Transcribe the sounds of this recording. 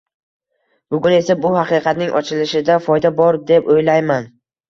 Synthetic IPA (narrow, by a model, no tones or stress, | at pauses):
b̥ʊɡʲʊne̞sabʊhɑqɨqʰɑt̪nɪŋʔɒt͡ʃʰɪlɪʃɪd̪afɒjd̪abɒɾd̪e̞pojlajman